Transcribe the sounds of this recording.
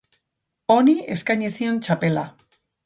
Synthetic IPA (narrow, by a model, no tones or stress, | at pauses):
o̞niʔe̞skajɲesio̞nt͡ʃape̞la̰